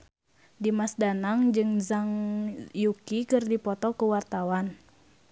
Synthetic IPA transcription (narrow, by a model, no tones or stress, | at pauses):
dimasdanaŋd͡ʒɨŋzaŋjukikɨrdipɔt̪ɔkuwart̪awan